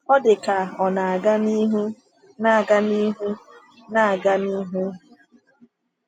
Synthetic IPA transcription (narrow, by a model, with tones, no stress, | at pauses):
ɔ˦dɪ˨ka˨ɔ˨na˨a˨ɡa˦ni˦ɦu˦ | na˦˨a˨ɡa˦ni˦ɦu˦ | na˦a˨ɡa˦ni˦ɦu˦